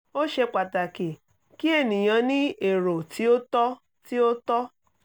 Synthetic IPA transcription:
o˦ʃe˧k͡pa˨ta˨ki˨ | ki˦e˦˨nĩ˨j̃ã˧˦nĩ˦e˨ɾo˨tʰi˦o˦tɔ˦ | ti˦o˦tɔ˦

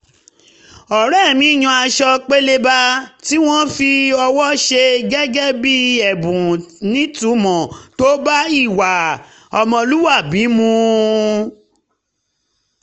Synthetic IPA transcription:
ɔ˨ɾɛ˦˨mĩ˨˦˨j̃ũ˧a˧ʃɔ˧k͡pe˦le˧ba˧ti˦w̃ɔ̃˦fi˧ɔ˧wɔ˦ʃe˧ɡɛ˦ɡɛ˦bi˦ɛ˨bũ˨nĩ˦tu˨˦mɔ̃˨to˦ba˦i˦˨wa˨ | ɔ˨mɔ̃˧lu˦wa˦˨bi˨˦mũ˧

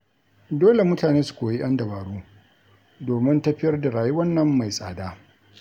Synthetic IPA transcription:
doː˦le˨mʊ˦taː˨neː˦su̥˨kʷoː˨ji˦ʔɐ˦ndɐ˨baː˨ɽuː˦ | doː˨mɪ˦ntɐ˦ɸɪ˦jɐ˦rda˨ɾaː˨ju˦wɐ˦nːɐ˨mːa˨jsʼa̰ː˨daː˦

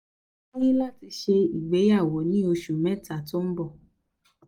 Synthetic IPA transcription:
e˦ji˦la˦ti˧ʃe˧i˨ɡ͡be˨˦ja˦˨wɔ˨˦nĩ˨˦o˧ʃu˨mɛ̃˦˨ta˨to˦m̩˦bɔ˦˨

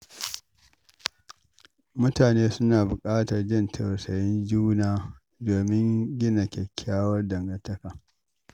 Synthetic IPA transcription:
mʊ˦taː˨neː˦sʊ˦naː˨bʊ˨kʼaː˦tɐ˨rd͡ʒɪ˦ntʰɐ˨wsɐ˨jɪ˦nd͡ʒuː˦naː˦ | doː˨mɪ˦ŋɡʲɪ˦na˨kʲɛ˨kʲʰːaː˦wɐ˦rdɐ˨ŋɡɐ˨tɐ˦kaː˨

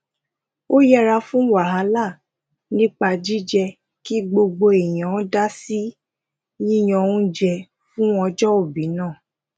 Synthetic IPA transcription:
o˦jɛ˦ɾa˧fũ˦wa˨ɦa˨˦la˦˨ | nĩ˦k͡pa˧d͡ʒi˦d͡ʒɛ˧ | ki˦ɡ͡bo˧ɡ͡bo˧e˨j̃ã˨ɔ˦da˦si˦ | jĩ˦j̃ɔ̃˧ũ˦d͡ʒɛ˧ | fũ˦ɔ˧d͡ʒɔ˦o˦˨bi˨˦nãː˦˨

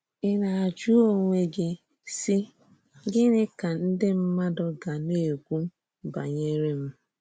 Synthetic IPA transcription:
ɪ˦na˨a˨d͡ʒu˦o˦ŋʷe˦ɡɪ˦ | si˦ | ɡɪ˦nɪ˦ka˨n̩˦dɪ˦m̩˦ma˦dɔ˦ɡa˨ne˦˨e˨ɡʷu˦ | ba̰˨ɲe˦ɾe˦m̩˦

